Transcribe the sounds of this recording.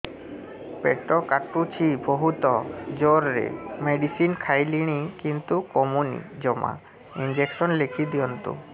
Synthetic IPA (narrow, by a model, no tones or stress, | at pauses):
peʈɔkaʈut͡ɕʰibɔɦut̪ɔd͡ʒoɾɾḛmeɖisinkʰajliɽ̃ikint̪ukɔmunḭd͡ʑɔma̰ | ind͡ʑeksɔnlekʰid̪iɔnt̪ṵ